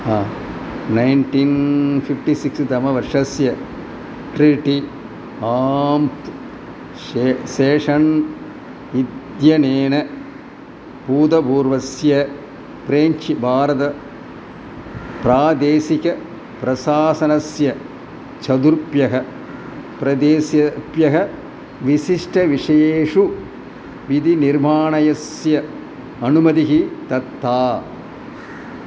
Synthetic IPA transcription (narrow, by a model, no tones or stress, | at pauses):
aːnɐɪnʈinfifʈisiksd̪ɐmɐʋɐɾʂɐsjɐ | ʈɾiʈi | aːmp | eseːʂɐn | id̪jɐneːnɐ | puːd̪ɐbuːɾʋɐsjɐ | pɾeːɲt͡ʃibʱaːɾɐðɐ | pɾaːd̪eːsikɐ | pɾɐsaːsɐnɐsjɐ | t͡ʃɐd̪uɾpjɐɦɐ | pɾɐd̪eːsjɐpjɐɦɐ | ʋisiʂʈɐʋiʂɐjeːʂu | ʋid̪iniɾmaːɳɐjɐsjɐ | ɐnumɐd̪iɦit̪ɐt̪ːaː